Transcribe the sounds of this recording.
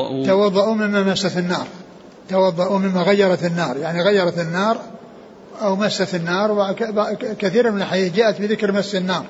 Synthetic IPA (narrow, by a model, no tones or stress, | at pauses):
t̪ɑwɑðˤːɑʔuːmɪmːamasːat̪ɪnːɑːɾˤ | t̪ɑwɑðˤːɑʔuːmɪmːaɣajːɑɾˤɑt̪ɪnːɑːɾˤjaʕniɣajːɑɾˤɑt̪ɪnːɑːɾˤ | ʔawmasːat̪ɪnːɑːɾˤwabakaθiːɾmɪnɪlħajiːd͡ʒaːʔat̪bɪðɪkɾmasːɪnːɑːɾˤ